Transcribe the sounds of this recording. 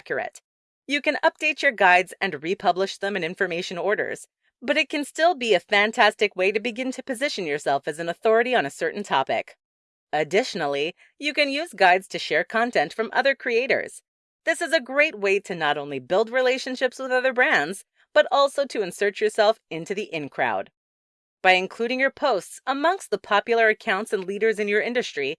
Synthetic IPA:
kʰjə˞ɨ̰t | jɨkɨ̃nʌp̚d̥eɪt͡ʃə˞ɡaɪdzɨ̃nɹipʰʌbləʃðə̃mɨ̃nɪ̃ɱfə˞meɪʃɨ̃nɔɹɾə̰˞z̥ | b̥ʌɾɨt̚kʰɨ̃nstɪlˠbiɨfæ̃ntʰæstɨkweɪɾɨbɨɡɪ̃ntʰɨpɨzɪʃɨ̃n̩jə˞sɛlˠfɨzɨ̃n̩əθɔɹɨɾiə̃nɨsɜ˞ʔn̩tʰɑ̰pɪ̰k | ɨdɪʃn̩l̩ˠi | jɨkɨ̃njʉzɡaɪdz̥tʰɨʃɛɹkʰɑ̃ntʰɛ̃ntfɹʌ̃mʔʌ̰ðə˞kʰɹ̥ieɪɾə̰˞z̥ | ðɪsɨzɨɡɹeɪt̚weɪɾɨnəɾõʊ̃nlibɪlˠd̚ɹileɪʃɨ̃nʃɪpswəðʌðə˞bɹæ̃ndz | b̥ʌɾʔɔlˠsoʊɾɨɨ̃nsɜ˞t͡ʃjə˞sɛlˠfɪ̃ntʉðiʔɪ̃nkʰɹ̥a̰ʊd̚ | b̥aɪɨ̃nkʰl̥uɾɪ̃ŋjə˞pʰoʊstsəmʌ̃ŋkst̪̚ðəpʰɑpjl̩ˠə˞ɨkʰãʊ̃ntsɨ̃nliɾə˞zɨ̃njə˞ɪ̃ndɨstɹ̥i

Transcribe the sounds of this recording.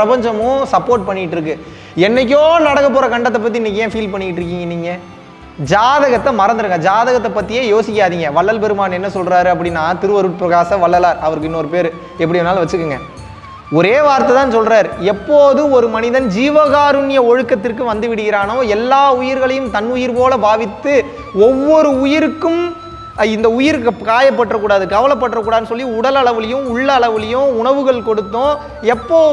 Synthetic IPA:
pɾɐpɐɲd͡ʒɐmʊ̃sɐpːoːɾʈ̚pɐɳːɪɪʈːɯɾɯk̬ːɯ | ɛnːɐk̬ːoːnɐɽɐɣɐp̬ːoːɾɐkɐɳɖɐt̪ːɐpːɐt̪̬ːiɪnːɐkːjẽːfiːlpɐɳːɪkɪʈːɾɯk̬ːiːŋɡɐniːŋɡɐ | d͡ʒaːðɐɣɐt̪ːɐmɐɾɐnd̪ɯɾɯŋɡɐd͡ʒaːðɐɣɐt̪ːɐpːɐt̪ːɪjeːjoːsɪkʲːaːðiːŋɡɐʋɐɭːɐlpɛɾɯmaːnɛnːɐsɔlɾaːɾɯɐp̬ːɐɽɪnːaːt̪ɪɾɯʋɐɾɯʈ̚pɾɐɣaːsɐ̃ʋɐɭːɐlaːɾɐʋɐɾɯk̬ːɯɪnːɔɾɯpeːɾ | ɛp̬ːɐɽinːaːlʋɐt͡ʃːɯkːɯŋɡɐ | ɔɾeːʋaːɾt̪ːɐt̪aːnsɔlɾaːɾɛpːoːðɯɔɾɯmɐnɪðɐnd͡ʒiːʋɐɣaːɾɯɳɪjɐɔɻɯkːɐt̪ːɪrkːɯʋɐnd̪ɯʋɪɽɯɣɪɾaːnoːɛlːaːʊjɪɾɣɐɭɐjɯmt̪ɐnʊjɪɾpoːlɐbaːʋɪt̪ːɯ | ɔʋːɔɾɯʊjɪɾɯkːɯm | ɪnd̪ɐʊjɪɾkaːjɐpːɐʈːrɐkːuːɽaːðɯkɐʋɐlɐp̬ːɐʈːrɐkːuːɽaːðɯnːɯs̬ɔlːiʊɽɐlɐɭɐʋɪlɐjɯ̃mʊɭːɐɭɐʋɯlɐjɯ̃ʊɳɐʋɯɣɐɭkɔɽɯt̪ːõː | ɛpːoː

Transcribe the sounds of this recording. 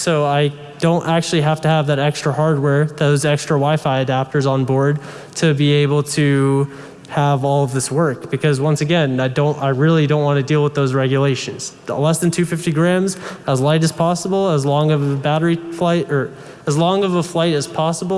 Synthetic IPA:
soʊaɪ | d̥õʊ̃ntæk̚t͡ʃʉl̩ˠiɦæftɨːvðɨɾɛkstɹ̥əhɑɹd̚wɛɹðoʊzɛkstɹ̥əwaɪfaɪɨdæp̚tə˞zn̩bɔɹd̚ | tʰɨbieɪbl̩ˠtʰɨ | əvɔlˠʌvðɪswɜ˞k̚b̥ɨkʰʌzwʌ̃nsɨɡɛ̃naɪdõʊ̃ntaɪɹɪlˠidõʊ̃nʔwɑ̃nɨdilˠwəðoʊzɹɛɡjɨleɪʃɨ̃nz̥ | lɛsðɨ̃ntʰʉfɪftiɡɹæ̃mzəzlaɪɾɨz̥pʰɑsəbl̩ˠəzlɔ̃ŋʌvəbæɾə˞iflaɪɾə˞ | əzlɔ̃ŋʌvəflaɪɾɨz̥pʰɑsəbl̩ˠ

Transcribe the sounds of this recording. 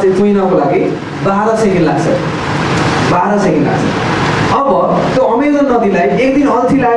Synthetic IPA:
sẽd̪ujnʌkolaɡi | baɾʌsekenla̰ɡt͡sʰʌ̰ | baɾʌsekenla̰ɡt͡sʰʌ̰ | ʌbʌt̪joʌmed̪ʌnːʌd̪ilajekd̪inʌlt̪ʰila

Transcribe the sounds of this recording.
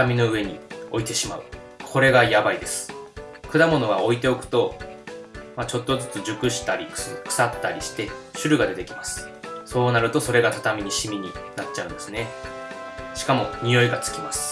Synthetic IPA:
amʲino̞ɯ̟e̞ɲ̟io̞it̪e̞ɕima̰ɯ̟ | kʰo̞ɾe̞ɡajabaid̪e̞sɨ̥kɯ̟d̪amo̞no̞ɡao̞it̪e̞okɯ̟̥t̪o̞ | mat͡ɕo̞t̪ːo̞zɨt͡sɨd͡ʑɨkɯ̟ɕi̥t̪aɾʲikkɯ̥sat̪ːaɾʲiɕi̥t̪e̞ɕɨɾɯ̟ɡad̪e̞t̪e̞kʲimasɨ̥ | so̞ːnaɾɯ̟t̪o̞so̞ɾe̞ɡat̪at̪amʲiɲ̟iɕimʲiɲ̟inatt͡ɕːaɯ̟̃nd̪e̞sɨne̞ | ɕi̥kamo̞ɲ̟ijo̞iɡat͡sɨ̥kʲimasɨ̥

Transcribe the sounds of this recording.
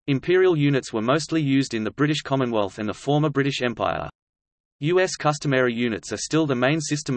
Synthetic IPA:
ɨ̃mpʰɪəɹiəlˠjʉnɨtswə˞məʊstˡlijʉːzdɨ̃nðəbɹɪɾɪʃkʰɑmə̃nwɛlˠθɨ̃nðəfɔɹmə˞bɹɪɾɪʃɛ̃mpʰa̰ɪə̰ | jʉɛskʰʌstəmɛɹijʉnɨtsə˞stɪlˠðəmẽɪ̃nsɪstə̃m

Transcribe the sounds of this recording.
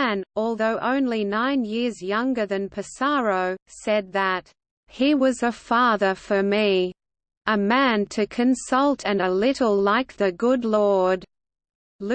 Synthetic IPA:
nɔlˠðoʊʔõ̰ʊ̃nlinãɪ̃njɪɹzjʌ̃ŋɡə˞ðɨ̃npʰɨsɑɹoʊsɛd̪̚ðət̚ | hiwʌzɨfɑðə˞fə˞mi | əmæ̃ntʰɨkʰɨ̃nsʌlˠtʰɨ̃nəlɪɾl̩ˠlaɪk̚ðɨɡʊdˡlɔɹd | l

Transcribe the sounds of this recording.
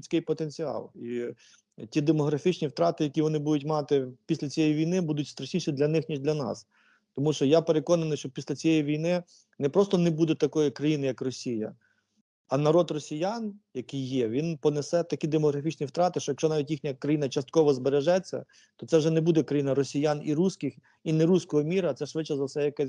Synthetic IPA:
t͡sʲkɪjpɔt̪enʲt͡sʲiɑ̰lˠi | tʲid̪emɔɦɾɐfʲit͡ʃnʲiwt̪ɾɑt̪ɪjɐkʲiʋɔnɪbud̪ʊt̬ʲmɑt̪ɪpʲisʲlʲɐt͡sʲijɛjiʋʲijnɪbud̪ʊtʲst̪ɾɐʃʲnʲiʃid̪lʲɐnɪxnʲiʒdlʲɐnɑ̰s | t̪ɔmuʃt͡ʃɔjapeɾekɔnɐnɪjʃt͡ʃɔpʲisʲlʲɐt͡sʲijɛjiʋʲijnɪ | nɛpɾɔst̪ɔnɛbud̪ɛt̪ɐkɔjikɾɐjinɪjɐkrɔsʲijɐ̰ | ɐnɐɾɔd̪rɔsʲijanjɐkɪjːɛʋʲinpɔnesɛt̪ɐkʲid̪emɔɦɾɐfʲit͡ʃnʲiwt̪ɾɑt̪ɪʃt͡ʃɔjɐkʃt͡ʃɔnɑʋʲitʲjixnʲɐkɾɐjinɐt͡ʃɐst̪̚kɔʋɔzbeɾeʒɛt͡sʲːɐ̰ | t̪ɔt̪sɛʒɛnɛbud̪ɛkɾɐjinɐɾɔsʲijaniɾusʲkɪx | inɛɾusʲkɔɦɔmʲiɾɐɐt̪sɛʃʋɪt͡ʃːɐzɐwsɛjɐkɛ

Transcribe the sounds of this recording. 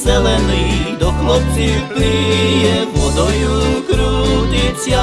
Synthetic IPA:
zɛlɛniːd̪ɔklɔpziklijɛvɔd̪ɔjukɾud̪it͡sja

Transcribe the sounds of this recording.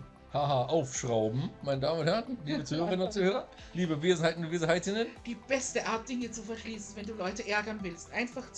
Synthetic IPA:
haːɦaːʔaʊfʃʁ̥aʊbm̩maɪnədaːmənʊnthɛʁnliːbət͡suːhøːʁʁɪnənʊnt̚t͡suːhøːʁɐ | liːbəveːzn̩haɪtnʊveːzn̩ɦaɪtɪnənd̥iːb̥ɛstəʔaɐt̚d̥ɪŋət͡sufɛɐʃliːsn̩vɛnduːlɔʏtəʔɛɐɡɐnvɪlstʔaɪnfaχt͡s

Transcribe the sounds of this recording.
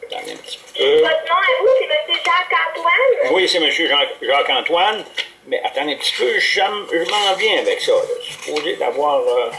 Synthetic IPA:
at̪ã̰d̪ɛ̰̃pt͡si̥pøɔt̪nɔ̃iseməsjøʒãkãt̪wanwisɛməsjøʒɑ̃ːkʒɑ̃ːkɑ̃ːt̪wan | mɛʔat̪ɑ̃d̪ɛ̃pt͡si̥pøʒəmʒəmɑ̃vjɛ̃avɛksʌlə̰sy̥poːzed̪a̰vwaːʁə

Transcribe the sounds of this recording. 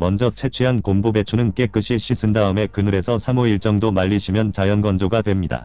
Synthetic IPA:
mʌnd͡ʑʌt͡ɕʰe̞t͡ɕʰeɦankombobe̞t͡ɕʰunɯnk͈e̞k͈ɯɕʰiɕʰisʰɯndaɯme̞kɯnɯɾe̞sʰʌsʰamoiɭt͡ɕ͈ʌŋdomaʎːiɕʰimjʌnt͡ɕajʌnɡʌnd͡ʑoɡadwe̞mɲida̰

